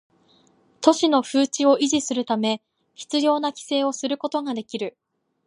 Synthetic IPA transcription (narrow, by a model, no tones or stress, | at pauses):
t̪o̞ɕino̞ɸɯːt͡ɕio̞ʔiʑisɨɾɯ̟t̪ame̞ | çi̥t͡sɨjo̞ːnakʲi̥se̞ːo̞sɨɾɯ̟ko̞t̪o̞ŋad̪e̞kʲiɾɯ̟